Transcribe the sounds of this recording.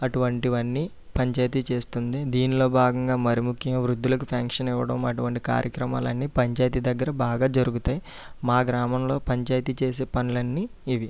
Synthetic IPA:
ɐʈuʋɐɳʈiʋɐnːiː | pɐɲt͡ʃaːjt̪it͡ʃe̞ːst̪und̪id̪iːnilo̞ːbʱaːɡɐŋɡaːmɐɾimukʰjɐŋɡɐʋɾud̪ːulɐkupʰaːŋkʂɐniʋːɐɽɐmɐʈuʋɐɳʈika̰ːɾjɐkɾɐma̰ːlɐnːiːpɐɲt͡ʃaːjt̪id̪ɐɡːɐɾɐbaːɡaːd͡ʒɐɾuɡut̪aːji | maːɡɾaːmɐmlo̞ːpɐɲt͡ʃaːjt̪it͡ʃe̞ːs̬e̞ːpɐnulɐnːiː | ʋi

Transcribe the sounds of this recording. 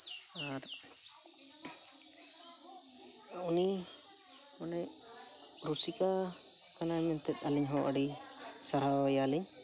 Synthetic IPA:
aɾ | uni | ɔnɛ | ɾusika | kanamɛnt̪ɛt̪̚ˀaliɲɦɔʔaɖi | saɾaɛjaliɲ

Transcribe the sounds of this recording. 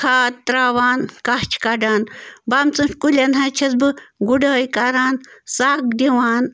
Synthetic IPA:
kʰaːt̪t̪ɾaːʋaːnkaht͡ʃʰkaɖaːnbamt͡sɨnʃkulʲɐnɦɐt͡ʃʰɐsbɨɡuɖɐːjkaɾaːnsaːk̚d̪iwaːn

